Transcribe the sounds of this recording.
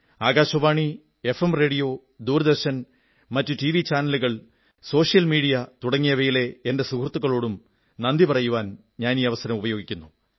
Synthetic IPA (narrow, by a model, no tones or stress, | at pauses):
aːɡaːɕɐʋaːɳi | e̞femre̞ːɽijo̞ː | d̪uːɾd̪ɐrɕɐn | mɐtːutiʋit͡ɕaːnɐluɣɐɭ | so̞ːʂijɐlmiːɽijɐt̪uɽɐŋːijɐʋɐjile̞ende̞sukrt̪ːuɣɐɭo̞ːɽum | nɐnd̪ipɐrɐjuʋaːn | ɲaːniːɐʋɐsɐɾɐmubɐjo̞ːɡikʲːunːu